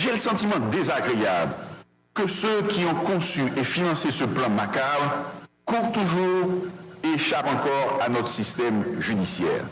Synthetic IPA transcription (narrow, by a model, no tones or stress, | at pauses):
ʒɛləsɑ̃t̪imɑ̃d̪ezaɡʁeabl | kəsøkʲiɔ̃kɔ̃syʔefinɑ̃sesəplɑ̃makab | kuʁt̪uʒuʁeʃapɑ̃kɔʁanɔt̪χə̥sist̪ɛmʒyd̪isjɛ̰ːʁ